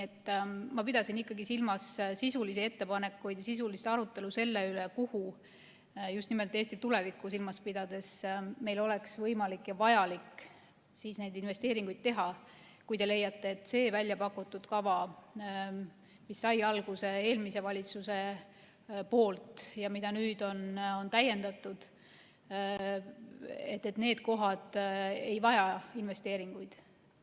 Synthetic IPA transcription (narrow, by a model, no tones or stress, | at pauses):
et̪ˑːmɑpid̪̥ɑsinikːˑɑɡisilmɑssisulisie̞t̪ːe̞pɑne̞kːˑujd̪jɑsis̬ulist̪ɑɾut̪ːˑe̞luse̞lːe̞ylekuhu | just̪nime̞lt̪eːsʲt̪it̪ule̞vikːˑusilmɑspid̪̥ɑd̪̥e̞sme̞jlo̞le̞ksvɤjmɑlikːˑjɑvɑjɑlik | siːsne̞jd̪inve̞st̪e̞ːɾiŋɡ̥ujd̪̥̚t̪e̞ɦɑ | kujd̪̥e̞le̞jːɑt̪ːˑe̞ːt̪ːˑse̞ːvælʲjɑpɑkːˑut̪ːˑud̪̥kɑvɑ | misːɑjɑlɡ̥use̞e̞ːlmise̞vɑlʲit̪suse̞ | po̞ːlt̪ˑjɑmid̪̥ɑnyːd̪̥o̞no̞nt̪æjːe̞nd̪̥ɑt̪ːˑud̪̥ | e̞t̪ːˑet̪ne̞ːd̪̥ko̞ɦɑd̪̥e̞jvɑjɑinve̞st̪e̞ːɾiŋɡ̥ujd̪̥